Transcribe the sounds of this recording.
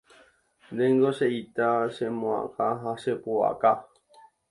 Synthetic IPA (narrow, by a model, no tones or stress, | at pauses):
d̪ẽŋɡoʃeit̪aʃemõã̰kaɦaʃepoa̰ka